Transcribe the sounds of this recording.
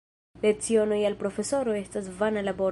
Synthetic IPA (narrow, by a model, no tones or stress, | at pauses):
let͡sio̞no̞jalpɾo̞fe̞so̞ɾo̞e̞stasvanalabo̞